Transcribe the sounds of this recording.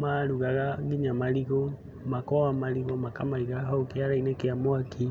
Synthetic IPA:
maɾuɣaɣaɡiɲamaliɣɔ | makɔwamaliɣɔmakamaɾiɣaɦaukeaɾainɛkeamoakʰi

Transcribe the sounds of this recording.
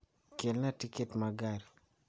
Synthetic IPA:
kelnatiketmaɡaɾi

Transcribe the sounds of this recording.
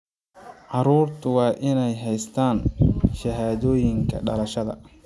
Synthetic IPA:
ʕɑɾuːrt̪ʰʊwɑːʔɪnɛjɦɛjst̪ʰaːnʃɐɦaːðɔːjɪŋkʰɐ̰ɖɐ̰lɐʃɐðɐ̰

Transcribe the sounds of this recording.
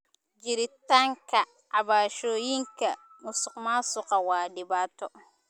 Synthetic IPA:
d͡ʒɪɾɪt̪aːŋkʰɐ | ʕɑβaːʃɔːjiŋkʰɐ | mʊsʊqmaːsʊqɑwaːɖɪbaːt̪ʰɔ

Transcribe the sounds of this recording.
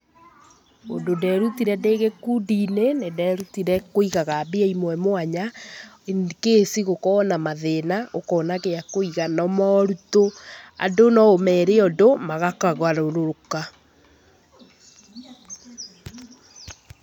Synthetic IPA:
o̰ndondɛɾutiɾɛndeɣekudinenedɛɾutiɾɛkoiɣaɣabeɛimwɛmoaɲa | kesiɣokɔnamaðenaʔokɔːnaɣeakoiɣanɔmɔɾutoa̰ndonɔomɛɾeɔdomaɣakaɣwaɾoɾoɾoka

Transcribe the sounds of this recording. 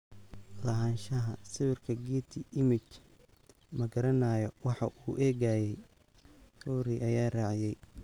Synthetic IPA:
lɐɦaːnʃɐɦɐsɪβɪrkʰɐɡiːt̪ʰɪʔɪmɪt͡ʃ | mɐɡɐɾɐnaːjɔwɑħɑʔuːʔɛːɣajɛj | ruːɾiʔɐjaːraːʕɪjɛj

